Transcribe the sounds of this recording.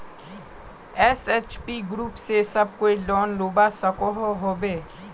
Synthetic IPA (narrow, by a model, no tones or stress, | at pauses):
ɛset͡ʃpiɡɾuːpsesɐb̚koːilɔːnloːbasɐkoɦoɦoːbeː